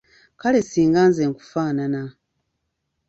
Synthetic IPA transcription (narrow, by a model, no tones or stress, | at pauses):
kalesiːŋɡaːnzeːŋku̥faːnana